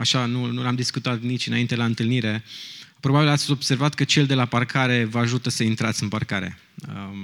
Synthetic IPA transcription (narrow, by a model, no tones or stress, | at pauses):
aʃanunulamd̪iskut̪at̪nit͡ʃɨnaint̪elaɨnt̪ɨlniɾe̞pɾo̞babilat̪sʲo̞b̥se̞rvat̪kət͡ʃe̞ld̪e̞laparkʰaɾe̞vəaʒut̪əsəint̪ɾat̪sɨnparkaɾe̞̰ | ə